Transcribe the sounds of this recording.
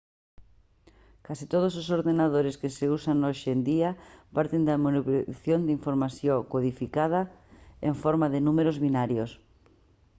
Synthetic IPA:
kasit̪oð̞ososoɾðenað̞oɾɪskɪseusanoʃend̪iɐpaɾt̪end̪ɐmonipθjond̪iɱfoɾmaθjokoðifikað̞ɐeɱfɔɾmaðɪnumeɾozβinaɾjos

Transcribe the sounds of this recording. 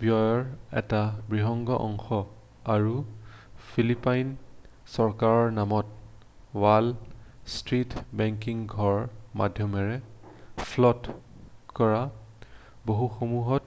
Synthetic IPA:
bjɔjɔɹɛ̰tabɹiɦɔŋɡɔʔɔŋxɔ | aɹu | pʰilipajn | sɔɹkaɹɔɹnamɔt | walstɹitbɛŋkiŋɡʱɔɹma̰dʱjɔmɛɹɛpʰlɔtkɔɹa | boɦuxomuɦɔt

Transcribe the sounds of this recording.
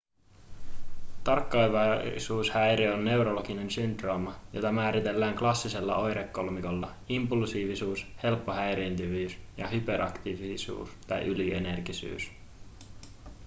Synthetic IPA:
t̪ɑrkːɑjʋɑsuːshæjɾeonːe̞wɾo̞lokine̞nsynd̪romɑjo̞̰t̪ɑmæːɾit̪e̞lːæːŋklɑsːise̞lːɑ̰o̞jɾekːo̞lmiko̞lːɑ | impulsiːʋisuːshe̞lpːo̞ɦæjɾeːnt̪yʋyːsjɑɦypeɾʔɑkt̪iʋisṵːst̪ɑ̰jʔyliene̞rkisy̰ːs

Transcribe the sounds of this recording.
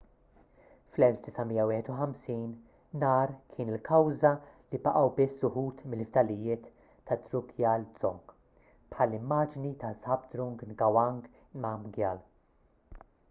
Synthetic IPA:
flɛlfd̪ɪsɐmijːɐwɪːħɛt̪ʊħɐmsiːn | nɐːɾkʰɪːnɪlkʰɐwzɐlibɐʔɐwbɪsːʊħuːt̪mɪlft̪ɐlɪjɪːt̪ː | ɐt̪ɾʊkʰjɐːlzɔŋɡ | pħɐlːɪmːɐːd͡ʒnit̪ɐzɐbd̪ɾɔŋɡnɡɐwɐŋɡ | mɐmɡjɐl

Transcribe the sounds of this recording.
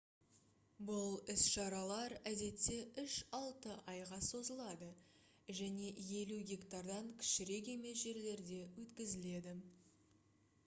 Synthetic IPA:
bʊlˠɪsʃɑɾɑlˠɑɾæd̪e̞t̪ːe̞ʏʃɑlˠt̪əʔɑjʁɑso̞zəlˠɑd̪ə | ʒæne̞je̞luɡʲekt̪ɑɾd̪ɑŋkʲʰɪ̥ʃɪɾe̞k̬ʲe̞me̞s̬ʒe̞ɾle̞ɾd̪e̞wɵt̪kʲɪzɪle̞d̪ɪ

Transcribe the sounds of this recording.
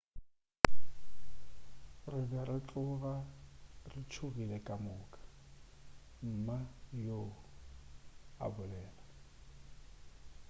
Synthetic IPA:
rɪbɛrɪt͡ɬʼʊɣarɪt͡ʃʰʊɣilekʼamʊːkʼḁ | m̩majo | a̰bʊlɛːla

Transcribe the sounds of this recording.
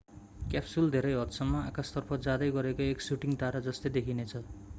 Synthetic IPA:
kapsuld̪ʱeɾʌjɦʌt̪sʌmːaakast̪ʌrpʰʌd͡zad̪ʌjɡʌɾekoeksuʈiŋt̪aɾad͡zʌst̪ed̪ekʰinet͡sʰʌ

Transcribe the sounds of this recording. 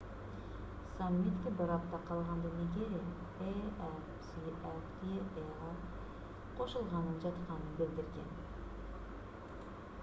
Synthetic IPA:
samːit̪kʲebɨɾɑp̚t̪ɑqʰɑlˠʁɑnd̪ɑneɡʲe | eɛfsiʔɛft̪ee | ɑ | qʰo̞ʃulˠʁɑnənd͡ʒɑt̪qɑnɨnbɪld̪ɪɾɡʲḛn

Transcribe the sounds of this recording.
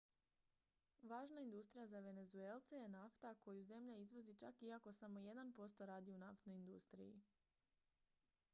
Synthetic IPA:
ʋaːʒnaind̪ust̪ɾijazaʋe̞ne̞zue̞lˠt̪sejenaft̪ako̞juze̞mʎaizʋo̞zit͡ʃa̰kiako̞samo̞je̞d̪anpo̞st̪o̞ɾaːd̪iunaft̪no̞ind̪ust̪ɾḭjḭ

